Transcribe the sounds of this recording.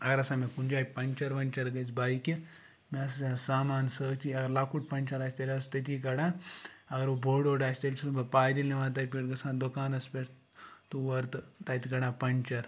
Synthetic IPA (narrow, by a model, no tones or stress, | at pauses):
ɐɡɐɾɐsãːmekunʲd͡ʒaːjpɐnʲt͡ʃɐɾʋɐnʲt͡ʃɐɾɡɐt͡sbaːiki | meɐsɐsãːsaːmaːnsəːt̪iɐɡɐɾlaːkuʈ̚pɐnʲt͡ʃɐɾaːsʲt̪ɐlʲɐst̪ɐt̪̬iːkɐɽãːɐɡɐɾubʱoːɖoːɖaːsʲt̪ɐlʲsʰmɐpaːjd̪ilneʋaːt̪̬aːpʲiʈɡɐsãːnd̪okaːnɐspeɾ | t̪uʋɐɾt̪ɨt̪ɐːit̪iɡɐɽãːpɐnt͡ʃɐɾ